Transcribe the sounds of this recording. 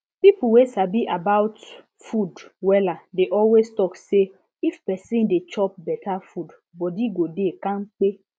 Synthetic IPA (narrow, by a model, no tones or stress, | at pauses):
pipuwesabiʔabawt | fudwɛladeʔɔlwestɔkse | ifpɛsĩndet͡ʃɔp̚bɛtʰafud | bɔdiɡodekãnk͡pe